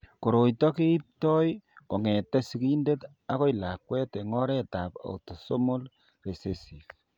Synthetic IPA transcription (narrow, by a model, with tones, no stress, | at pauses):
ko˨ɾo˨jtɔ˦ke˦i˦p̚tɔ˦jko˨ŋɛ˨tɛ˦siki˦nde˦t | a˦ko˦ila˨kwɛ˦te˨ŋɔ˦ɾɛ˦ta˨pa̰˨uto˨so˦mo˦l | re˨se˨sif